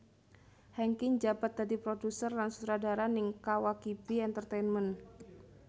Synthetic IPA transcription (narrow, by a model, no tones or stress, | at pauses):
hɛŋkɪŋd͡ʒabat̪̚dadipɾodusərlansu̥t̪ɾadaɾanɪŋkawakibiɛnt̪ərt̪ɛnmən